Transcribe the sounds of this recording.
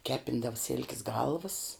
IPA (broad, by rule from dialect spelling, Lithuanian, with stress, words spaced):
ˈkʲæːpʲɪndɐʋə sʲɪlʲkʲs ˈɡɐlˠʋəs